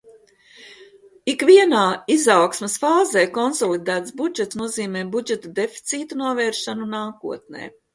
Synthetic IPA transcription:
ikʋiɛnaːizawksmesfaːzeːkɔnsɔlˠid̪æːt̪sbud͡ʒɛt̪snuɔziːmeːbud͡ʒɛt̪ad̪efi̥t̪siːt̪unuɔvɛːɾʃanunaːkuɔt̪̚nḛː

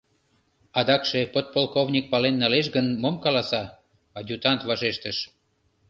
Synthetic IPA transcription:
ɑd̪ɑkʃepot̪̚polkovnʲik̚pɑlenːɑleʃ̬ɡənmomkɑlɑsɑ | ɑdʲut̪ɑnt̪βɑʒeʃt̪əʃ

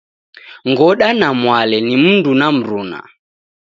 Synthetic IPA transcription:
ŋɡɔɗanamwalɛnimundunam̩ɾuːna̰

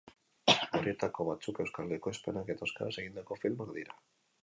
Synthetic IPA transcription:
oɾie̞t̪ako̞βat͡suke̞wskaleko̞e̞spe̞nake̞t̪aoskaɾase̞ɣind̪ako̞filmoakd̪iɾa

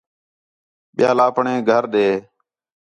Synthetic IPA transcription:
ɓɪjaːlaːpɳẽːɡʱəɾɗeː

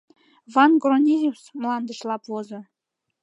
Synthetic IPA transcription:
vɑnɡronʲizʲuwsmlˠɑnd̪ə̆ʃlˠɑpvozɤ̆

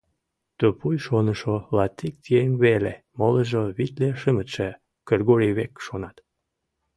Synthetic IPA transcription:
t̪øpujʃonəʃolɑt̪ːik̚t̪iemβele | moləʒoβit̪leʃəmət̪ʃe | kerɡoɾʲiβekʃonɑt̪

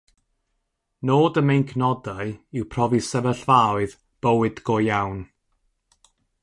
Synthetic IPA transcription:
noːdəmejnkʰnɔdaɨɪwpʰr̥ɔvisəvəɬvawɨð | b̥əwɨdɡojawn

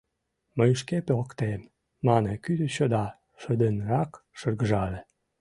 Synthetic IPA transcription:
məjəʃkepeokt̪em | mɑnekyd̪əɕod̪ɑ | ʃə̆d̪ənrɑkʃərɣəʒɑle

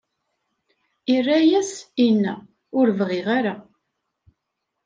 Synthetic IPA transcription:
irːæjæsinːæ̰ | ʊɾvʁɪʁaɾa

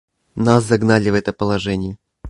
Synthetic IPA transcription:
naszɐɡnalʲɪvɛt̪əpəlˠɐʐɛnʲɪjɪ

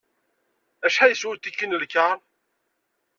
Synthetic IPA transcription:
æʃħajəswʊlt̪ikːinəlkːaɾ

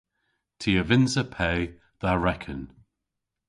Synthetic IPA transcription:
tʰiəvɪnzəpʰɛː | ðaɹɛkʰə̃n

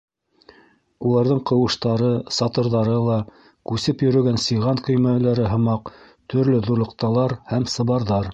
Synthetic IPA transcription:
ulˠɑɾðɤɴqɤ̆wɤ̆ʃt̪ɑɾɤsɑt̪ɤ̆ɾðɑɾɤlˠɑ | kʉsɘpjɵ̆ɾɵ̆ɡænsɤʁɑnkɵ̆jmælæɾɘɦɤ̆mɑq | t̪ʰɵ̆ɾlɵðuɾlˠɤ̆q̚t̪ɑlˠɑɾhæmsɤ̆βɑɾðɑɾ

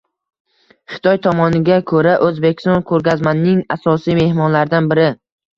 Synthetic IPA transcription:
χɪ̥t̪ʰɒjt̪ʰɒmɒnɪɡʲakʰɵɾaʔɵzbe̞kʲɪ̥st̪ɒnkʰɵɾɡʲazmanːɪŋasɒsijme̞hmɒnlaɾd̪anbɪɾɪ

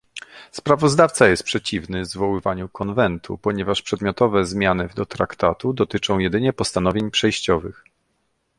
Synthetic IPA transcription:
spɾavɔzd̪aft̪sajɛst̪pʂɛt͡ɕivnɘvzvɔwɘvaɲukʰɔnvɛnt̪ʰṵpɔɲɛvaʂpʂɛd̪mʲjɔt̪ɔvɛzmʲjanɘd̪ɔt̪ɾakt̪at̪ud̪ɔt̪ɘt͡ʂɔ̃w̃jɛd̪ɘɲɛpɔst̪anɔvʲjeɲpʂɛjɕt͡ɕɔvɘx

